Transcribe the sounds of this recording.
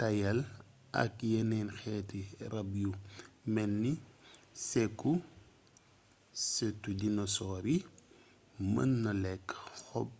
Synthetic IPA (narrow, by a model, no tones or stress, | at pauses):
tɐjɐl | ɐ̰kjɛnɛnxɛːtiɾɐbjumɛnːisɛkːu | setːudinɔsɔːɾi | mɐ̰nːɐlɛkːxɔb̚